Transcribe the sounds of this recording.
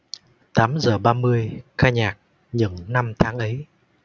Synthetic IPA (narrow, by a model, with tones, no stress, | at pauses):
t̪aː˨˦mzəː˨˩ɓaː˧mɨ˧əjxaː˧jɲaː˨˩k̚ | ɲɨ̰˧˩ŋna˧mt̪ʰaː˨˦ŋʔə˨˦j